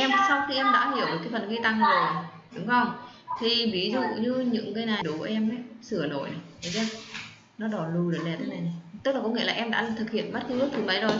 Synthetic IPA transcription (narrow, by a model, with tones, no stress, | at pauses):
ʔɛ˧msa˧wxi˧ʔɛ˧mɗa̰ː˧˥ɦi˧˩əwɗəː˨˩kaː˨˦fə˨˩nɣi˧t̪a˧ŋzo˨˩j | ɗʊ˨˦ŋ͡mkɔ˧˩n | t̪ʰi˨˩ɓi˨˦zʊ̰˧˩˨ɲɨ˧ɲɨ̰˧˥ŋkə˧˦jnaː˨˩jɗo˨˦ku˧˩˨ʔɛ˧mʔə˨˦jsɨ˧˩əno̰˧˨j | ə˨˦zɛ˧˥ | nɔ˨˦ɗɔ˨˩lu˧˩ɗo˨˩lɛ˨˧˩t̪ʰə˨˦na˨˩jna˨˩jt̪k̚laː˨˩kɔ˨˦ŋḭ˧˥˦laː˨˩ʔɛ˧mɗa̰ː˧˥˨t̪ʰɨ˨˩k̚hḭ˧˨ənmə˦˥t̚kɨ˦˥t̪ʰɨ˨˦mə˨˦zo˨˩j